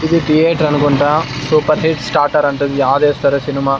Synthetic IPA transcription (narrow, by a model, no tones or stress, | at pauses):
id̪it̪ijeːʈɾɐnːukoɳʈɐ | suːpɐɾɦiʈsʈaːɾʈɐɾɐnt̪ɐd̪ujaːʋd̪eːst̪ʰɐɾɐsinimaː